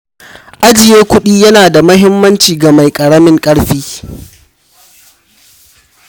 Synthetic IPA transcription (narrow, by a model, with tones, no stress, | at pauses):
ʔa˦d͡ʒɪ˨jeː˦kʷʊ˦ɗiː˦jɐ˦naː˨da˨mɐ˦ɦɪ˦mːɐ˦nt͡ʃiː˨ɡa˨ma˨jkʼɐ˨ɽɐ˦mɪ˦ŋkʼɐ˦ɽɸiː˦